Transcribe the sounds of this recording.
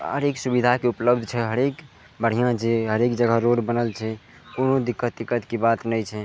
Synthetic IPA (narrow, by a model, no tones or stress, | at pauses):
ə̰ɾeksubid̪ʱakeupləb̚d̪ʱt͡ʃʰɛɦəɾek | bəɽ̤ijãd͡ʒeɦəɾekd͡ʒəɡʱəɾoɾbənəlt͡ʃʰɛ | konod̪ikːət̪ːikːət̪kibat̪nəjt͡ʃʰɛ